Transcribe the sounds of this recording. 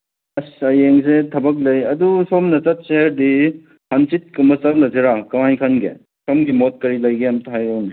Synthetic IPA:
ɐsɐjeŋsetʰɐbɐk̬̚lɐjɐdusomnɐt͡ʃɐt̚seɦeɾdi | hansit̚kumɐsɐmlɐzeɾakɐwajkʰɐnɡḛ | somɡimot̚kɐɾilɐjɡeɐmtɦajɾowni

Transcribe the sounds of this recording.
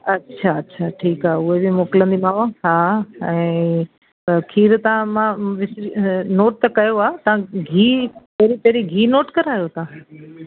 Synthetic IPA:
ɐtːʃʰaɐtːɕʰaʈʰiːkaːɦʊɦebɪmoːkɪlə̃nd̪imaːaɦaːɛ̃ː | t̪ɐkʰiːɾt̪ɐʋãmãʋɪsɾinoːʈ̚t̪ɐkɐjoaːt̪ɐʋãɡʱiːpɐɦɾipɐɦɾiɡʱiːnoːʈkɐɾaːjot̪ɐã

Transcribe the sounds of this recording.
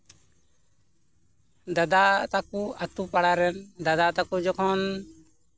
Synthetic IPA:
d̪ad̪at̪akuat̪upaɽaɾɛnd̪ad̪at̪akud͡ʒɔkʰɔn

